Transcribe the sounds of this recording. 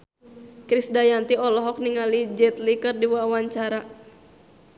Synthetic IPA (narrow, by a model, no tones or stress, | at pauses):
kɾisdajant̪iɔlɔɦɔk̚niŋalid͡ʒɛt̪likərdiwawaɲt͡ʃaɾa